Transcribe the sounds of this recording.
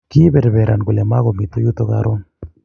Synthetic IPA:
ki˦bɛ˨ɾbe˨ɾa˨nɡu˨le˨ma˦ɣo˨mi˨t̪o˦ju˦t̪o˦ka˦ɾo˦n

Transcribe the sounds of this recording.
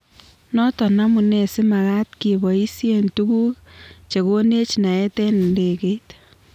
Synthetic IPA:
nɔ˦tɔ˨na˦mu˨nɛ˨sɪ˦ma˨ɣa˦tki˨bɔ˨i˦sje˨ntu˦ku˦kt͡ʃe˨ko˦ne˦t͡ʃna˨ɛ˦tɛ˦n˨nde˨ke˦t

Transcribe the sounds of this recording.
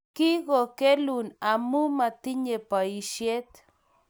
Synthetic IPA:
ki˦ɣo˨ke˦lu˨na˨mu˦ma˨t̪i˦ɲe˨pa˨i˨ʃje˦t̪

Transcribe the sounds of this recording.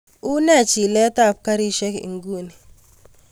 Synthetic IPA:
ʊ˦nɛ˦˨t͡ʃi˨lɛ˦ta˦˨p̚ka˦ɾi˦ʃɛ˦kḭ˨ŋɡu˦˨ni˨

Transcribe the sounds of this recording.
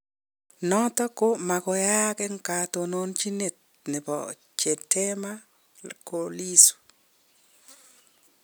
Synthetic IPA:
nɔ˦t̪ɔ˦ko˦ma˨kɔ˨ja˦kɛ˦ŋka˨t̪o˨no˦nt͡ʃi˦ne˨t̪̚ | nɪ˨pɔ̰˨ | t͡ʃe˨tʰe˦ma˦ | ko˨li˦su̥˨

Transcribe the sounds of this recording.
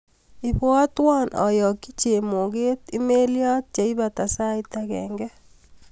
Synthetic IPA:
ɪ˨bwɔ˦twa˦nʔɔ̰˨jɔ˨ki˦t͡ʃe˨mo˨ɡe˦ti˦me˦lja˦t̚t͡ʃa˨i˦βa˨ta˨sa˦ɪtaɣɛ̰ːŋɡɛ˦

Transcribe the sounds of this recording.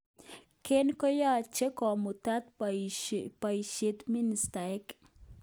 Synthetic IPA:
kenkɔ˦ja˦t͡ʃe˦kɔ˨mu˨t̪a˦t̪ | pa˨ʃet̪mi˦nist̪ae˦k

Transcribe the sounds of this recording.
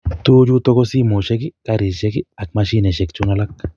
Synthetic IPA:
t̪u˦d͡ʒu˦t̪o˦ko˦si˦mo˨ʃe˦ɡi˦ka˦ɾi˨ʃe˦ɡi˦a˨k̚ma˧ʃi˦ne˨ʃe˨kt͡ʃu˦na˧la˦k̚

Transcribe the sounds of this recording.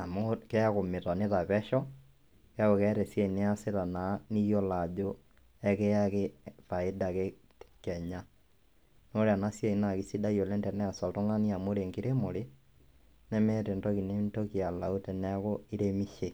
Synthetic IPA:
a˨mokɛ˦a˦ɣo˨me˨ta˨ne˦ða˨βɛ˦ʃɔ˦ | kja˦ɣo˨kɛɾɛ˨sɛ˦i˨ne˦a˦se˦ɾa˨na˨˦ni˦jɔ˦la˨d͡ʒo˦ | ɛ˦ke˦a˦ɣe˦fa˨e˦da˨ɣe˦ | kɛ˨ɲa˦ | no˦ɾea˨na˦sjɛ˦˨i˨na˨ɣi˨si˦da˦io˨lɛ˦ntɛ˨nɛ˦a˨sa˨to˦ŋa˦ni˦a˨moɾe˨ŋɡiɾe˦mo˨ɾe˦ | nɛ˦mɛ˦te˨ndɔ˦ki˨ne˦nto˦ki˨a˨la˨o˦tɛ˨n˦a˦ɣo˦i˦ɾe˦mi˦ʃe˨

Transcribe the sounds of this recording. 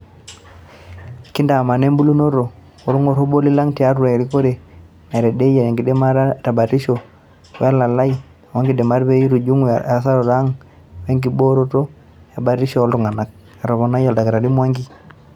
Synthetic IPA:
ki˦nda˨ma˨ne˦mbu˦lu˦no˦ɾo˨ | o˦ɾu˦ŋo˦ɾo˦bo˦li˦la˦ŋti˨a˦ɾu˦ɾa˨ɾi˦ko˦ɾe˨ | ne˨ɾe˨de˦ja˨ɾe˨ŋɡi˨de˦ma˦ta˨ba˨ɾi˦ʃo˨ | wḛ˦a˦la˨la˦i˦˨ | wa˦ŋɡi˨de˨ma˦ɾbe˦i˦ɾu˨d͡ʒu˦ŋa˨sa˦ɾo˨ɾa˨˦ŋ | we˦ŋɡi˨bo˦ɾo˦to˦ | ja˨ba˨ɾi˦ʃo˦lɾu˨ŋa˨na˦k̚ | a˨ɾo˨βo˨na˦ja˨lda˨ka˨ɾa˨di˦mwa˦ŋɡi˨

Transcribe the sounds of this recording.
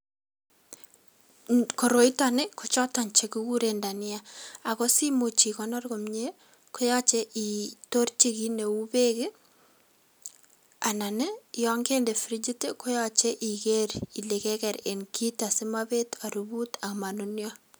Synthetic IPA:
kɔ˨ɾo˨itane˦kʰɔ˨t͡ʃɔ˦ta˨nt͡ʃe˨ku˦ku˦ɾenda˨nɪ˦aa˨kɔ˦si˦mu˨t͡ʃi˨kɔnɔrɡo˨mɲe˦ | ko˦jat͡ʃe˦ʔitort͡ʃi˦ki˦ne˨u˦pe˦ke˦ | a˨na˨ne˦jɔŋɡe˦nde˨fɾid͡ʒi˦te˦ko˦jat͡ʃe˦ʔi˨keɾi˨le˨kɛkɛɾe˨nkʰi˦ta˨si˦mabe˦ta˨ɾubu˦ta˨kma˨nunjɔ

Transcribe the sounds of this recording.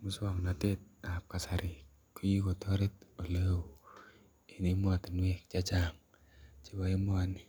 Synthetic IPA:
mu˦swa˨ŋ˨na˨te˦t̚a˨p̚ka˨sa˨ɾʔi˨ | ku˦ji˦ko˨tɔ˦ɾe˦t̚o˨le˦o˨ | i˨ni˦mwa˨ti˨nwɛ˦k̚t͡ʃa˦t͡ʃa˦ŋ | t͡ʃi˦ba˦i˦mʊ˦a˨ni

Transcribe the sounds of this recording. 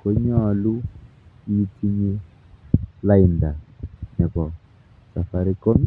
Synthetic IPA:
ko˨˦ɲɔ˦˨lu˦ | i˦i˦tʰi˦ɲe˦ | la˦i˨nda˨nɛ˨pɔ˨ | sa˨fa˨ɾi˦ko˦m˦

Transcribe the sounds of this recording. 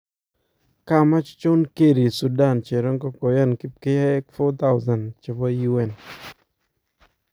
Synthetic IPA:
ka˦ma˦t͡ʃt͡ʃʊ˦nke˦˨ɾi˨su˨da˦˨nt͡ʃe˨ɾɔ˦ŋkɔ˦kɔ˨ja˦˨nkɪ˦pkɪ˦a˦ɛ˦kfɔ˦t̪a˦ʊza˨nt͡ʃɪ˨pɔ˦ju˦ɛ˨n

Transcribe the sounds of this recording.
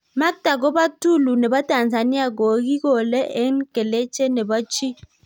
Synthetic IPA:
ma˦k̚ta˨ɡo˦ba˦tu˦˨lu˨ne˨ba˦ta˨nza˨ni˦a˦˨ɡo˨˦ɡi˦ɡo˨le˦ʔe˦n˦ke˨le˦t͡ʃe˦ne˨bɔ˦t͡ʃi˦

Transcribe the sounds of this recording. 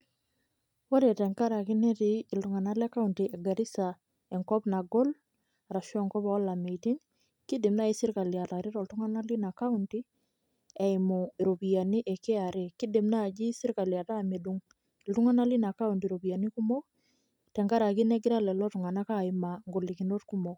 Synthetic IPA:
wa˦ɾe˨tɛ˨ŋka˦ɾa˨ki˦ne˦ti˨ɪ˨ltu˨ŋa˨na˦lɛ˦ka˦unti˨ʔɛ˨ɡa˨ɾi˦sa˨ | ɛ˨ŋkɔ˦pna˨ɡɔ˦l | ɾa˨ʃɔ˦˨ŋkɔ˦pa˨wɔ˦la˨me˨iti˦ŋ | ki˦dɪ˨mna˦i˦sɪ˦ɾka˨lja˨ta˨ɾe˦ɾo˨ltʊ˦ŋa˦na˦li˦na˨ka˦unti˦ | ɛ˨ɪmo˨ɾo˨bi˨ja˨ni˦ʔɛ˨ke˦a˨ɾe˨ki˦di˨mna˦˨d͡ʒi˦sɪ˦ɾka˨lja˨taː˦˨me˨du˦ŋ˨ | ltu˦ŋa˦na˦li˦na˨ka˦untiɾo˨bi˨ja˨ni˦ku˦mɔ˦ | tɛ˨ŋka˦ɾa˨ki˦nɛ˦ɡɪ˦ɾa˦lɛ˨lɔ˦tu˨ŋa˨na˦ka˦˨ɪma˨ŋɡo˨li˨ki˨no˦tku˦mo˨

